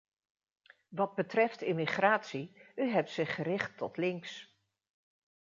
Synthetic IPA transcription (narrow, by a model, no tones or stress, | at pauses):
ʋɑd̚bətrɛftɪmiχraːtsiyɦɛp̚tsɪχərɪχtːɔtlɪŋks